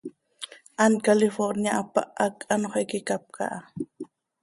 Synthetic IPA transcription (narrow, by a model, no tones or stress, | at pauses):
ʔankalɪfoɾnjaʔapa̰ʔakanoχejkɪkap̚kʰa̰ʔa